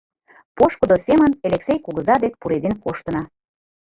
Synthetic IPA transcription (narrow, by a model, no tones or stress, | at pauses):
poʃkud̪osʲemə̆neleksʲejkuɣɤ̆zɑd̪ek̚puɾed̪enkoʃt̪ɤ̆nɑ